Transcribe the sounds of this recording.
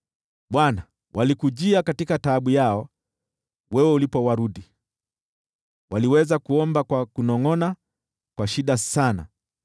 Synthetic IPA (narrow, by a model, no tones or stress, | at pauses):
ɓwana | wʔalikuʄiakatikataɓujaɔ | wɛwɛulipɔwaɾuɗi | waliwɛzakuɔmbakwakunɔŋɔna | kwaʃiɗasana̰